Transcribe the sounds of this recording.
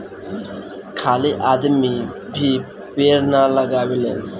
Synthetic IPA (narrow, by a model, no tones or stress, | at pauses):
kʰaːliʔaːd̪mibʱi | peːɾnaləɡaːbilen